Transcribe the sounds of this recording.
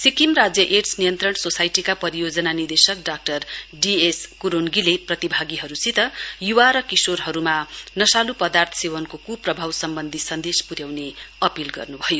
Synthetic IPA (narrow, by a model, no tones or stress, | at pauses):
sikimrad͡zjʌʔeʈsnijʌnt̪rʌɳsosajʈikapʌɾijod͡zʌnanird̪esʌkɖak̚ʈʌrɖieskuɾonɡileprʌt̪ibʱaɡiɦʌɾusit̪ʌjuwaɾʌkisorɦʌɾumanʌsalupʌd̪art̪ʰʌ̥sewʌnkokuprʌbʱawsʌmbʌnd̪ʱisʌnd̪espuɾjawneʌpilɡʌ̰rnubʱʌjo